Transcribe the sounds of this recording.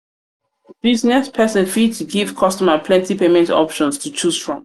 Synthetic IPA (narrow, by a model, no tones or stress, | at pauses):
b̥iznɛspʰɛsə̃nfitʰuɡiv̥kʰɔstɔməpʰlɛ̃ntipemɛ̃ntɔ̰pʃɔ̃nstʰut͡ʃʰuzfɹɔ̃m